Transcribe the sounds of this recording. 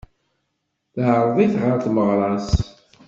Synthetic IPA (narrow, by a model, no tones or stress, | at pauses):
θɦəɾˤðˤiθʁaɾt̪məʁɾˤɑs